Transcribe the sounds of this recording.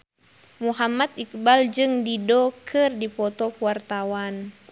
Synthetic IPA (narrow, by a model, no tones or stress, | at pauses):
muɦamat̪̚ik̚bald͡ʒɨŋdidɔkʰɨrdipɔt̪ɔkuwart̪awan